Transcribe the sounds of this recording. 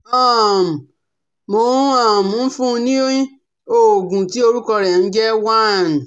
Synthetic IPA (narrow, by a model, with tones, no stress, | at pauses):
a˦˨m̩˨ | mo˨˦ã˦˨m̩̃˨˦fũ˦˧nĩ˦o˦jĩ˦ | o˨ɡũ˨ti˦o˧ɾu˦kɔ˧ɾɛ˨n̩˦d͡ʒɛ˦wa˦˨n˨